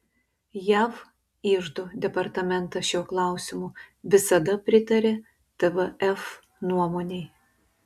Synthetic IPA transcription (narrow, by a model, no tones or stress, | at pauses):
jæːʋ | iːʒd̪od̪ʲɛpɐɾt̪ɐmʲɛnt̪ɐʃʲuɔklˠɑˑʊsʲɪmʊʋʲɪsɐd̪ɐpʲɾʲɪt̪ɐɾʲe | t̪ɛʋəɛf | nuɔmoːnʲɛɪ